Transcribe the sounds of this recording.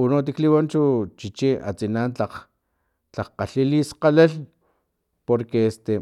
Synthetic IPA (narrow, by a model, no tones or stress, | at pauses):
unot̪̬ikliwont͡ʃut͡ʃit͡ʃiʔa̰t͡sinaːnt͡ɬaχ | t͡ɬaχqaɬilisqalel | poɾkeest̪e